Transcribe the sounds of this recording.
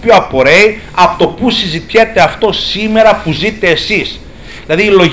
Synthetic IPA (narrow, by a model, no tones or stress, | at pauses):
pioɐpo̞ɾe̞i | ɐpot̪o̞pusizit̪çet̪e̞ɐft̪o̞sime̞ɾɐpuzit̪e̞ːsis | ðilɐðiːlo̞